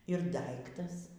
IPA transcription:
ɪr ˈdɐɪktɐs

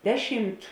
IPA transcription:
ˈdʲæːˌʃʲɪmt

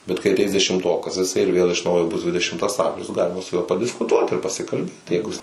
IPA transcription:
bʲɛt kɐɪ ɐˈtʲɛɪs dʲɛʃʲɪmˈtoːkɐs jɪˈsɐɪ ɪr ˈʋʲeːlˠ ɪʃ ˈnɐʊjoː ˈbʊs ˈdʲʋʲɪdʲɛʃʲɪmtɐs ˈɐmʲʒʲʊs ˈɡɑːlʲɪmɐ sʊ ˈjuɔ pɐdʲɪskʊˈtuɔt ɪr pɐsʲɪkɐlʲˈbʲeːt tɐɪ ˈjɛɪɡʊ jɪs

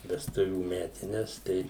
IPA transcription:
ʋʲɛsˈtʊʋʲuː ˈmʲæːtʲɪnʲɛs ˈtɐɪ

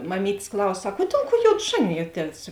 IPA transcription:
mɐˈmʲiːtʲsʲ ˈklˠɐʊs ˈsɐk oː ˈdʲeːlˠ ˌkuɔ ˈjoːt ˈʒɑːnʲɪjuɔˌtʲiɛs

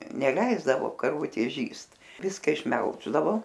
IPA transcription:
nʲɛˈlʲɛɪzdɐʋoː kɐrˈʋʊtʲeːs ˈʒʲiːst ˈʋʲɪskɐ ɪʃʲˈmʲɛlˠʒdɐʋoː

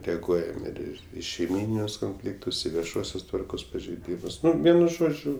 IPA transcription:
ˈtʲæːɡʊ ˈɛɪn ɪr ˈɪr ɪ ʃʲɛɪˈmʲiːnʲɪnʲʊs koːnʲˈfʲlʲɪktʊs ˈiː ʋʲiɛˈʃuɔsʲoːs ˈtʋɐrkoːs pɐʒʲɛɪˈdʲiːmʊs ˈnʊ ˈʋʲiɛnʊ ˈʒoːd͡ʒʲʊ

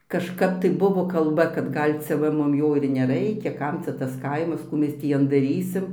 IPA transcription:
kɐʃˈkɐp tɐɪ ˈbʊʋoː kɐlˠˈbɐ kɐt ˈɡɐlʲ t͡sʲɛ ˈʋɐ ˈmʊm ˈjoː ɪr nʲɛˈrɐɪkʲɛ ˈkɐm t͡sʲɛ ˈtɐs ˈkɐɪmɐs ˈkuː ˈmʲɛs tʲiː ˈjɛn dɐˈrʲiːsʲɪm

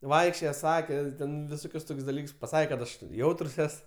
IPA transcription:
ˈʋɐɪkʃʲt͡ʃʲoːjɛ ˈsɑːkʲɛ ˈtʲɛn ʋʲɪˈsoːkʲʊs ˈtoːkʲsʲ dɐˈlʲiːks pɐˈsɑːkʲɛ kɐt ˈɐʃ ˈjɛʊtrs ˈɛs

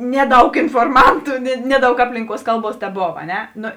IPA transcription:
ˈnʲæːˌdɐʊk ɪnfoːrˈmɐntʊ nʲɛ ˈnʲæːˌdɐʊk ˈɑːpʲlʲɪŋˌkuɔs ˈkɐlˠˌbuɔs tʲɛˈboːw ɐ ˈnʲɛ ˈnoː

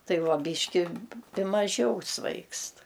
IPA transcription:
ˈtɐɪ ˈʋɐ ˈbʲiːʃʲkʲɪ ˈpʲɪ mɐˈʒʲɛʊ ˈsʋɐɪkst

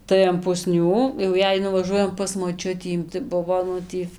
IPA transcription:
tɐɪ ɐn pʊˈsʲnʲuː jɛʊ ˈjɛɪ nʊʋɐˈʒuɔjɛm pɐs moːˈt͡ʃʲʊtʲiː tɐɪ ˈbʊʋoː ˈnʊ tʲiː

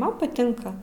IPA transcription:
ˈmɐn pɐˈtʲɪŋkɐ

